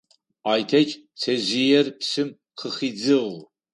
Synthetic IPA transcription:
aːjtʰɐt͡ʃ | t͡sʰɐzijɛrpsɨm | qʰəχiːd͡zɨʁ

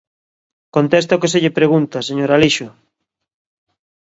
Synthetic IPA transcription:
kont̪est̪okeseʎepɾeɣunt̪aseɲoɾaliʃo

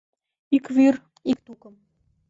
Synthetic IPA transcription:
ikvyr | ikt̪ukə̆m

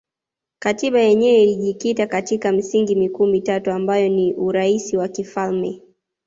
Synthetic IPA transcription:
katiɓajɛɲɛɛiliʄikitakatikam̩siŋɡimikuːmitatuambajɔniʔuɾaisiwakifalmɛ

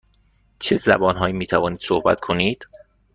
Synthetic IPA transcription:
t͡ʃʰezæ̰bɒːnɦɒːjiːmiːt̪ʰævɒːniːd̪̥sohbæ̰t̪kʰo̞niːd̪̥

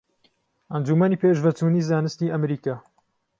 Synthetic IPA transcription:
ʔɐnd͡ʒuːmɐniːpʰeːʒvɐt͡ʃuːniːzaːnɨst̪iːʔɐmɾiːkaː

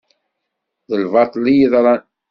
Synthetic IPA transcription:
ðəlvɑt̪ˤlijiðˤɾˤɑ

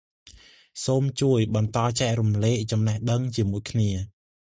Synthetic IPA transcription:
soːmt͡ɕuəjɓɑnt̪ɑːt͡ɕaɛʔrumleːʔ̚t͡ɕɑmnəhɗəŋt͡ɕiəmuəjkʰniə

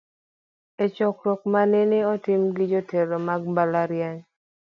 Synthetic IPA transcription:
et͡ʃɔkɾɔk̚maneneɔtɪmɡɪd͡ʒoteɾɔmaɡ̚balaɾjaɲ

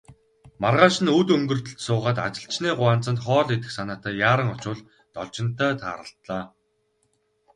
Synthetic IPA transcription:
marʁaːʃɪ̆nut̪ɵŋɡɵ̆rt̪ɵ̆ɬt̪sʊːʁaːt̪a̰t͡ɕɪ̆ɬt͡ɕniːɢʊaːnt͡sə̆nt̪χɔːɮet̪ɘ̆xsanaːt̪æːjaːɾə̆ŋɔt͡ɕʊːɮ | t̪ɔɮt͡ɕɪ̆n̥t̪æːt̪ʰa̰ːɾə̆ɬt̪ɮaː

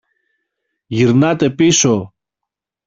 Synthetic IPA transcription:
ʝiɾnɐt̪e̞piso̞

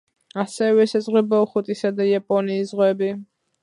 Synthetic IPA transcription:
asɛvɛsazʁwɛbauχut̪ʼisad̪ajapʼɔniːszʁwɛbi

